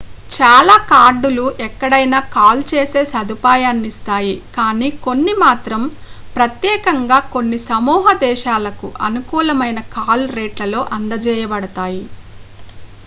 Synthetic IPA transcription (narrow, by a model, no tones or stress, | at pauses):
t͡ʃaːlaːkaːɾɖuluʔɛkːɐɽɐjnaːkaːlt͡ʃeːseːsɐd̪upaːjaːnːist̪aːjikaːniːko̞nːimaːt̪ɾɐm | pɾɐt̪jɛːkɐŋɡaːko̞nːisɐmuːɦɐd̪ɛːʃaːlɐkuʔɐnukuːlɐmɐjnɐkaːlɾeːʈlɐlo̞ːʔɐnd̪ɐd͡ʒɛːjɐbɐɽɐt̪aːji